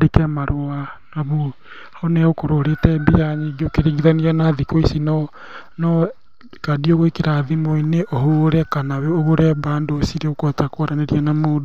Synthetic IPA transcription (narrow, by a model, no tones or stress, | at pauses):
ɾekɛmaɾoanaβo | ɔnɛokoɾoɾetɛbijaɲiɡeokeɾeɣiðaniɾanaðikoisinɔ | nɔ | kadioɣoekeɾaːðimoineʔoɦoɾɛkanaweoɣoɾɛβaːndoːsiɾeokwɛtakoɾaneɾianamoːdo